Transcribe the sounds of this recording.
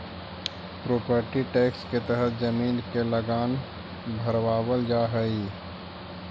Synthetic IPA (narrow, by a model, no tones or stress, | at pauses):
pɾoːpəɾʈiʈeːksket̪əɦət̪ʰd͡ʒəmiːnkeləɡaːn | bʱəɾwaːwəld͡ʒaːɦəi